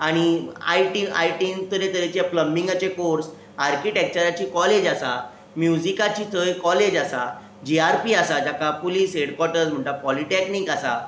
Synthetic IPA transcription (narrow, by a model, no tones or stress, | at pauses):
aɽ̃ia̰jʈia̰jʈint̪əɾet̪əɾet͡ɕapləmbiŋɡat͡ɕekoɾs | aɾkiʈek̚t͡ɕəɾat͡ɕiːkɔled͡ʑasa | mjud͡zikat͡ɕiːt̪ʰəjkɔled͡ʑasa | d͡ʑiaɾpiːasad͡ʑjakapuliːsɦeɽkwɔɾʈəɾd͡zm̤əɳt̪apɔliʈɛkniːkasa